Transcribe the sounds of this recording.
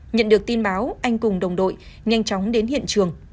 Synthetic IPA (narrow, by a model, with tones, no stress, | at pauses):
ɲə̰˧˨nɗɨ˨˩ək̚t̪i˧nɓaː˨˦wʔa˧jŋ̟kʊ˨˩ŋ͡mɗə˨˩wŋ͡mɗo̰˧˨j | ɲa˧jŋ̟t͡ɕɔ˨˦wŋ͡mɗe˨˦nhḭ˧˨ənt͡ɕɨ˨˩əŋ